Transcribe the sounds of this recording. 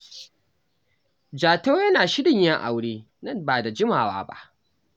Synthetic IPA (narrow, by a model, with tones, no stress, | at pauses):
d͡ʒaː˨toː˦jɐ˦naː˨ʃɪ˦dɪ˨ɲja˦ʔa̰˨wɽeː˦ | nɐ˦˨mbaː˨da˨d͡ʒɪ˦maː˨wa̰ː˦ba̰˦ʔ